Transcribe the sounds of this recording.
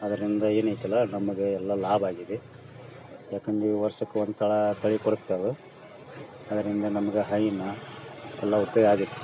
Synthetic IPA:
ɐd̪ɐɾind̪ɐe̞ːnɐjt̪ɐlːɐnɐmɐɡe̞ɛlːɐlaːbaːɡid̪e | jaːkeŋɡ̪iʋɐɾsɐkːeʋond̪ut̪ʰɐɭɐt̪ʰɐɭikoɽukt̪ɐdu | ɐd̪ɐɾind̪ɐnɐmɐɡeɦɐjinːɐ | ɛlːɐut̪ːɐjaːɡit̪ːu

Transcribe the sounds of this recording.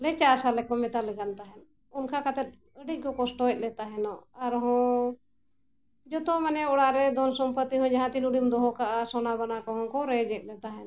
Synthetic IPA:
lɛt͡ʃasalɛkɔmɛt̪alɛɡant̪aɦɛn | unkʰakat̪ɛt̪̚ | əɖiɡɔkɔsʈɔɛt̪̚ˀlɛt̪aɦɛnɔaɾɦɔ̃ | d͡ʒɔt̪ɔmanɛɔɽaɾɛd̪ʱɔnsɔmpət̪ːiɦɔ̃d͡ʒaɦãt̪iluɖimd̪ɔɦɔkaʔasɔnabanakɔɦɔ̃kɔɾɛd͡ʒɛt̪̚ˀlɛt̪aɦɛn

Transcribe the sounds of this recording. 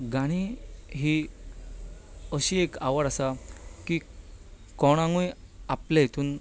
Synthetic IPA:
ɡaɽ̃iɦi | əɕiekaʋəɽasaki | kɔɽ̃ãŋɡuj | aplaɦet̪uːn

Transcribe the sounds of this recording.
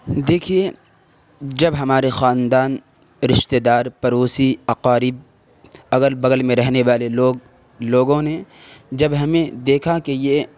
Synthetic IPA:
d̪eːkʰie | d͡ʒɐbɦɐmaːɾexaːnd̪aːn | ɾɪʃt̪eːd̪aːɾpɐɾoːsiɐqaːɾɪb̚ | ɐɡəlbɐɡəlmẽɾɛɦneʋaːleloːɡ | loːɡõned͡ʒɐbɦɐmẽd̪eːkʰakeje

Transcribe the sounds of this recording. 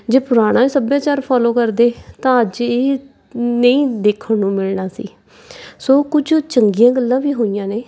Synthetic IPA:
d͡ʒeːpʊɾaːɽ̃ãːiːsəbjãːt͡ʃaːɾpʰɔːloːkəɾd̪eːt̪ãːəd͡ʒeː | nəĩːd̪eːkʰənũːmɪlnaːsḭː | soːkʊd͡ʒt͡ʃəŋɡɪjãːɡəlːãːʋiːɦoːijãːneː

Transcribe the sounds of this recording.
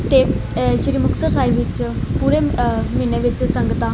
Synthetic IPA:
t̪e | ʃɾiːmʊksəɾsaːɦiʋɪt͡ʃpuɾemiɳeʋit͡ʃsə̃ŋɡət̪ã

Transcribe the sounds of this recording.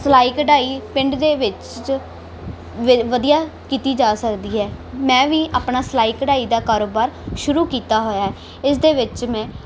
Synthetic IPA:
slaːiːkəɖaːiːpɪɳɖd̪eːʋɪt͡ʃ | ʋʋəd̪ijaːkiːt̪iːd͡ʒaːsəkd̪iːɦɛːmɛ̃ːʋiːʔaːpnaːslaːiːkəɖaːiːd̪aːkaːɾoːbaːɾʃʊɾuːkiːt̪aːɦoːjaːɦɛː | ɪsd̪eːʋɪt͡ʃmɛ̃ː

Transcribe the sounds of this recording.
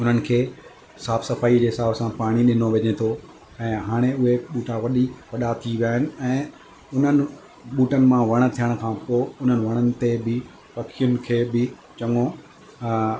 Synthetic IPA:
ʊn̤ənɪ̆kʰeː | saːbsɐfaːid͡ʑeːɦɪsaːbsãpaːɽ̃iɗɪnoʋeɲet̪ʰo | ɛ̃ːɦaːɽ̃eʊɦeɓuːʈaʋɐɗipɐɗat̪ʰiʋijaːɦɪnɪ̆ɛ̃ː | ʊn̤ənɪ̆ | ɓuːʈənɪ̆mãʋɐɽ̃ə̆t̪ʰijəɽ̃̆kʰãːpoːʊn̤ənɪ̆ʋɐɽ̃ənɪ̆t̪ebɪ | pɐkʰijʊnɪ̆kʰeːbɪ | t͡ɕɐŋo

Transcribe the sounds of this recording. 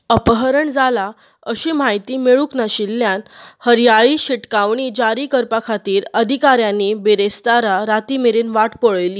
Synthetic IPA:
əpəɦəɾəɳd͡zala | əɕiːmajt̪iːmeɭuknaɕilːjanhəɾjaɭiɕiʈkaʋɳ̃iːd͡ʑaɾiːkəɾpakʰat̪iːɾəd̪ʱikaɾjanibeɾest̪aɾaɾat̪imeɾiːnʋaʈpoɭəjliː

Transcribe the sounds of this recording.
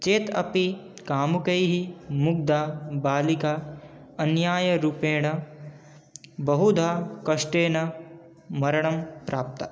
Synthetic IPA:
t͡ʃeːt̪ɐ̰pikaːmukɐjɦimuɡ̚d̪aːbaːlikaɐnjaːjɐɾupeːɳɐ | bɐɦud̪ʱaːkɐʂʈeːnɐ | mɐɾɐɳɐmpɾaːp̚t̪ɐ̰

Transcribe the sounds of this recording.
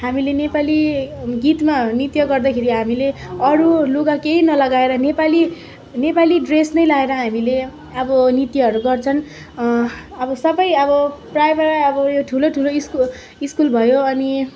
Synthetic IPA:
hamilenepaliɡit̪manit̪jʌɡʌrd̪ʌkʰeɾiɦamileʌɾuloɡakeinʌlʌɡaeɾʌnepali | nepaliɖresnʌjlaeɾʌɦamile | ʌbʌnit̪jɦʌɾuɡʌrt͡sʰʌn | ʌbʌsʌbʌjʌbʌprajbaɾaːbʌjoʈʰuloʈʰuloisku | iskulbʱʌjoʌni

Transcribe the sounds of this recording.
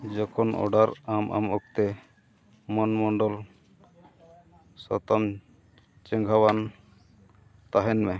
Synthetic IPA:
d͡ʒɔkʰɔnʔɔ̰ɖaɾamʔa̰mɔk̚t̪ɛ | mɔnmɔɳɖɔl | sɔ̰t̪ɔm | t͡ʃɛ̃ŋɡʱawan | t̪aɦɛnmɛ

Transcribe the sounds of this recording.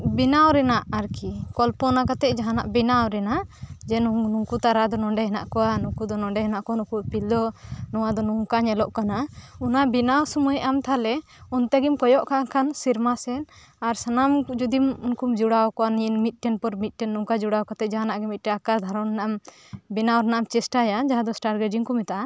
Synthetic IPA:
binawɾɛnaʔaɾkikɔlpɔnakat̪ɛʔ̚d͡ʒaɦana̰ʔbinawɾɛnad͡ʒɛnunuŋkut̪aɾad̪ɔnɔɳɖɛɦɛna̰ʔkɔwanukud̪ɔnɔɳɖɛɦɛnaʔkɔanũkupild̪ɔnɔwad̪ɔnuŋkaɲɛlɔʔkanaunabinawsɔmujʔamt̪ʰalɛ | ɔnt̪ɛɡimkɔjɔʔkakansiɾmasɛn | aɾsanamd͡ʒud̪imunkumd͡ʒuɽawkɔwaniɛnmit̪̚ˀʈɛnpɔɾmit̪̚ˀʈɛnːuŋkad͡ʒuɽawkat̪ɛd͡ʒaɦanaʔɡɛmit̪̚ʈɛakaɾd̪ʱaɾɔnnaam | binawɾɛnaʔamt͡ʃɛsʈajad͡ʒaɦãd̪ɔsʈaɾɡɛd͡ʒiŋkɔmɛt̪aʔa

